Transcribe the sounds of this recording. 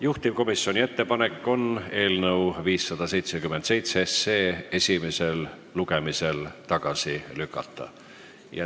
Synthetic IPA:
juht̪imko̞misːio̞nʲie̞t̪ːe̞pɑne̞kːo̞ne̞ːlnɤwviːsːɑd̪̥ɑse̞jt̪sekymːed̪se̞jt̪seese̞ːe̞sʲime̞se̞l | luɡe̞mise̞lt̪ɑɡ̥ɑsilykːˑɑ̰t̪ːˑɑ̰ | jɑ̰

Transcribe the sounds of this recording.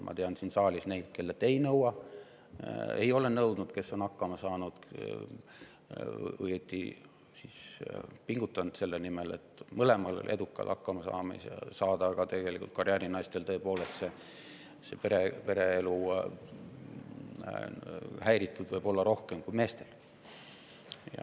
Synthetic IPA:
mʔɑ̰t̪eɑnsinsɑːlʲisne̞jd̪̥ke̞lːet̪ːˑejnɤwɑ | ḛjo̞le̞nɤwd̪̥nud̪̥ke̞sːo̞nɑkːɑmɑsɑːnud̪̥ | o̰jet̪ːḭ | sispiŋɡ̥ut̪ːˑɑnd̪̥se̞lːenimele̞̰t̪ːmɤle̞mɑlḛlʔed̪̥ukːˑɑ̰lʔɑ̰kːɑmɑsɑ̰ːmḛsɑ̰sɑːd̪̥ɑɡ̥ɑt̪e̞ɡ̥e̞likult̪kɑrʲjæːɾinɑjst̪e̞lt̪ɤ̞epo̞ːle̞st̪se | sepeɾepe̞ɾe̞elu | hæjɾit̪ːˑud̪vɤjbo̞lːɑɾo̞hke̞mkujme̞ːst̪e̞l | jɑ̰

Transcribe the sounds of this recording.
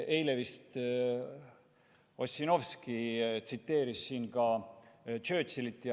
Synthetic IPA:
e̞jlevist̪ | osʲːino̞fskit̪sit̪ːe̞ːɾisːiːnkɑ | t͡ʃø̞ːt̪silit̪ːˑj

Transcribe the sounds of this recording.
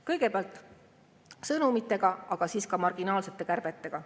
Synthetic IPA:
kɤjɡ̥e̞peɑlt̪ˑ | sɤnumit̪ːˑe̞ɡ̥ɑɑɡ̥ɑsiːskɑmɑrɡ̥inɑːlse̞t̪ːˑe̞kærb̥et̪ːe̞ɡ̥ɑ

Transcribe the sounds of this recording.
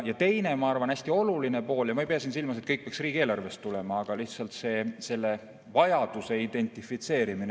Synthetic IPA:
jɑt̪e̞jne̞mɑɑrvɑnæsʲt̪io̞luline̞po̞ːljɑmɑejpeɑsiːnsilmɑset̪kɤjk̚peɑksriːɡ̥eːlɑrve̞st̪ːulemɑɑɡ̥ɑliht̪sɑlt̪se̞ːse̞lːe̞ | vɑjɑd̪̥use̞id̪e̞nʲt̪ˑifit̪se̞ːɾimin

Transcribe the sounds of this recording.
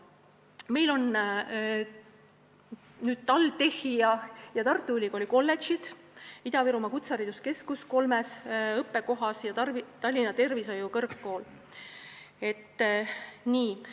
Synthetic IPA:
me̞jlo̞n | nyːd̪̥t̪ɑlt̪e̞hijɑjɑt̪ɑrt̪ːˑuylʲikolʲiko̞lːe̞t͡ʃid̪̥ | id̪ɑviɾumɑkut̪sɑɾid̪uske̞skusko̞lmesɤpːe̞ko̞ɦɑsjɑɑrit̪ɑlʲːinɑt̪e̞rvisɑjukɤrkːo̞ːl | e̞t̪ːˑ | niː

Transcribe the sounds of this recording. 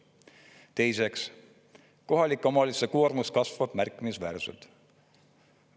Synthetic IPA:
t̪e̞jse̞ks | ko̞ɦɑlikomɑlisekormuskɑsvɑb̥mærkːˑimisvæːɾsḛlt̪

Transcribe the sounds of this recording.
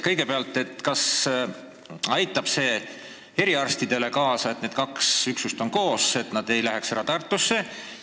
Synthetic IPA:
kɤjɡ̥e̞peɑlt̪ːˑe̞t̪ːkɑs | ɑjt̪ːˑɑb̥se̞ː | e̞ɾiɑrst̪id̪̥e̞le̞kɑːsɑe̞t̪neːd̪̥̚kɑksyksust̪o̞ŋko̞ːse̞t̪nɑd̪̥e̞jlæɦeksæɾɑt̪ɑrt̪ːˑusːe̞

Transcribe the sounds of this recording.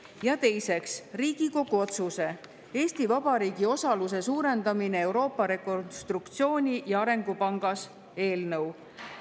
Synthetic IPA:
jɑt̪e̞jse̞ksriːɡ̥iko̞ɡ̥uo̞t̪suse̞ | e̞ːst̪ivɑb̥ɑɾiːɡ̥io̞sɑlus̬e̞suːɾe̞nd̪ɑmine̞ewɾo̞ːpːɑɾe̞ko̞nst̪rukt̪sio̞ːnʲijɑɑɾe̞ŋɡ̥upɑŋɡ̥ɑs | e̞ːlnɤw

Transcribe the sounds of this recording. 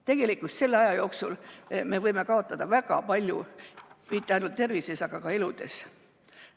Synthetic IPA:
t̪e̞ɡ̥e̞likːˑult̪se̞lːeɑjɑjo̞ːksulme̞vɤjme̞kɑo̞t̪ːˑɑd̪̥ɑvæɡ̥ɑ̰pɑlʲjṵmit̪ːˑeɑjnult̪ːe̞rvise̞sɑɡ̥ɑkɑe̞lud̪̥e̞̰s

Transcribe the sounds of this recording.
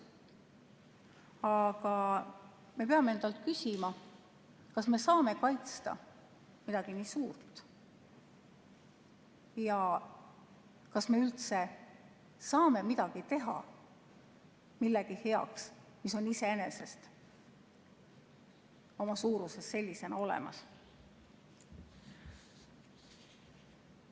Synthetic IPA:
ɑɡ̥ɑ | me̞peɑmee̞nd̪ɑlt̪kysʲimɑ | kɑsme̞sɑːme̞kɑjt̪st̪ɑ̰ | mid̪̥ɑɡ̥iniːsuːrt̪ˑ | jɑ | kɑsme̞ylt̪se̞ | sɑːme̞mid̪̥ɑɡ̥it̪e̞ɦɑ̰ | milːeɡ̥ihe̞ɑ̰ksmiso̞nise̞ene̞se̞st̪ | o̞mɑsuːɾuse̞sːe̞lʲːise̞nɑo̞lḛmɑ̰s

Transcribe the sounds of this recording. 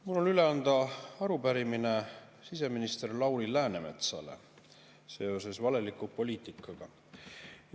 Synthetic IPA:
mulːo̞lyle̞ɑnd̪̥ɑɑɾupæɾimine̞ | sis̬e̞minist̪e̞rlɑwlilæːne̞me̞̰t̪sɑ̰le̞̰ | se̞o̞se̞svɑle̞likːˑupo̞lʲiːt̪ˑikːˑɑɡ̥ɑ

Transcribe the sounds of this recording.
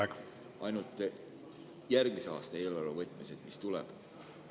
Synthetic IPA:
ɑjnut̪ːˑ | jærɡ̥̚miseɑ̰ːst̪ɑe̞ːlɑɾovɤt̪ːˑmised̪̥mist̪ulɛ̰b̥

